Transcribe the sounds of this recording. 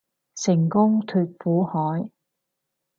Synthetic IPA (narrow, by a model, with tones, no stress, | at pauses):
sɪ˨˩ŋkʊ˥ŋt̪ʰyː˨t̚fuː˨˥hɔː˨˥j